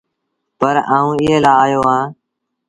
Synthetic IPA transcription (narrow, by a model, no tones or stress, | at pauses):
pəɾa̰ːũːɪɦeːlaːaːjoːãː